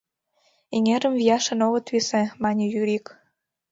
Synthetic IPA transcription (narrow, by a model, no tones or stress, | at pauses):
iŋeɾə̆mvijɑʃĕnoɣɤ̆t̪βisemɑnʲejyɾik